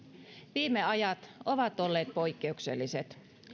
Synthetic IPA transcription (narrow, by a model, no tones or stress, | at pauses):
ʋiːmeɑjɑt̪o̞ʋɑt̪olːeːt̪̚pojkːe̞uksḛlːise̞t̪